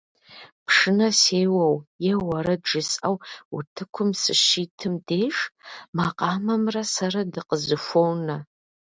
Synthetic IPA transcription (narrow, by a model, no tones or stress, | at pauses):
pʰʂɨnɐseːjwɐwjɛwɐɾɐdʒɨsʼɐwutʰɨkʷʰʊmsɨʃiːtʰɨmdeːʂmaqɑːmɐmrɐsɐɾɐdɨqəzɨfʷownɐ